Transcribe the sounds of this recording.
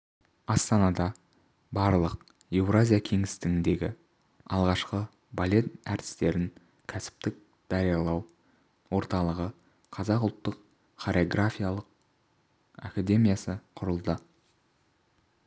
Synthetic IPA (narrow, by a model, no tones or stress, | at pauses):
ɑst̪ɑnɑd̪ɑ | bɑɾlˠəq | e̞vɾazʲijakʲʰe̞ŋɪ̥st̪ɪɡɪnd̪e̞ɡʲɪ | ɑ̰lˠʁɑʃqə | balʲe̞t̪æɾt̪ɪ̥st̪e̞ɾɪŋ | kʲʰæsɪ̥p̚t̪ɪk̚ | d̪̥ɑɾijɑlˠɑw | wo̞ɾt̪ɑlˠəʁə | qʰɑzɑqʊlˠt̪ːəq | χaɾʲeoɡrafʲijalˠəq̚ | a̰kad̪e̞mijasəqʰʊɾəlˠd̪ə